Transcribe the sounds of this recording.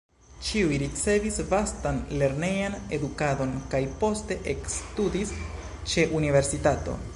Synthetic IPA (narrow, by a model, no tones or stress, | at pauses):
t͡ʃiujɾit͡se̞visvastanle̞ɾne̞jane̞dukado̞nkajpo̞ste̞ʔekstudis | t͡ʃe̞ʔunive̞ɾsitato̞̰